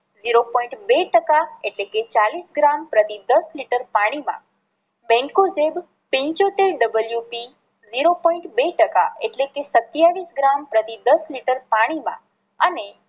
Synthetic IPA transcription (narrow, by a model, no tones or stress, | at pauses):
ziɾopɔ̃ĩɳʈbeʈəkaeʈleket͡ʃalisɡɾampɾət̪id̪əsliʈəɾpaɽ̃imã̰ | bɛ̃ŋkozeb | pĩɲt͡ʃot̪eɾɖəbəljupi | ziɾopɔ̃ĩɳʈbeʈəka̰eʈlekesət̪jaʋisɡɾampɾət̪id̪əsliʈəɾpaɽ̃imã̰ | əne